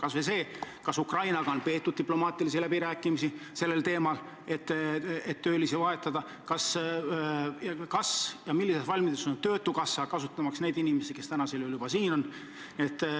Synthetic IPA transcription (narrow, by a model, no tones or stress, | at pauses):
kɑsvese̞ːkɑsukrɑjnɑɡ̥ɑo̞npe̞ːt̪ːˑud̪̚t̪iplo̞mɑːt̪ilisilæbiɾæːkːˑimisise̞lːe̞lt̪e̞ːmɑl | e̞t̪ːet̪ːøːlisevɑe̞t̪ːˑɑd̪ɑ | kɑs | jɑkɑsjɑmilːisesvɑlʲmid̪esont̪ø̞ːt̪ːˑukɑsːɑkɑsut̪ːˑɑmɑksne̞jd̪inime̞sike̞st̪ænɑse̞loljub̥ɑsiːno̞n | niet̪ːˑ